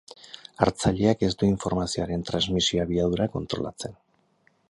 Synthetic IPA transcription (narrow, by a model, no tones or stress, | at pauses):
aɾt͡saʎeake̞st̪uiɱfo̞ɾmasioaɾe̞nt̪ɾanzmisioaβiaðuɾakont̪ɾo̞̰la̰t͡se̞n